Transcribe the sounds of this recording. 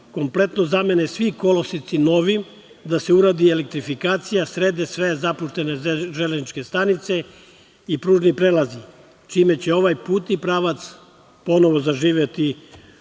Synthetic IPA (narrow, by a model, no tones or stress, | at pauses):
ko̞mple̞t̪no̞zame̞nesʋiko̞losit̪sino̞ʋim | d̪ase̞uɾaːd̪ielek̚t̪ɾifikaːt̪sijasɾeːd̪esʋezapuʃt̪e̞neʒeleznit͡ʃke̞st̪anit̪se̞ | ipɾuːʒnipɾeːlazi | t͡ʃiːme̞t͡ɕeo̞ʋajpuːt̪ipɾaːʋat̪s | po̞no̞ʋo̞zaʒiːʋjet̪i